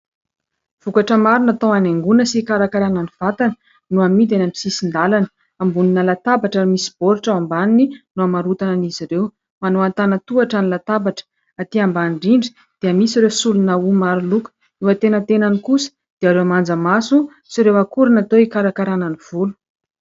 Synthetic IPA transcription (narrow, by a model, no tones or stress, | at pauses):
v̥ukaʈ͡ʂəmaɾunat̪owaneŋɡunəsikaɾakaɾananiv̥at̪anə̥ | nuamid̪enami̥sisind̪alanə̥ | ambuninəlat̪abaʈ͡ʂaɾimisi̥b̥oɾiʈ͡ʂaambanininuamaɾut̪ananiziɾew | manoant̪anət̪uaʈ͡ʂanilat̪abaʈ͡ʂə̥ | at̪iambanɳɖ͡ʐiɳɖ͡ʐi̥ | d̪̥iəmisiɾewsulunaumaɾulukə̥ | ewət̪enət̪enanikusə̥ | d̪̥eaɾewamand͡zəmasu | siɾewakuɾinat̪oikaɾakaɾananiv̥ulu̥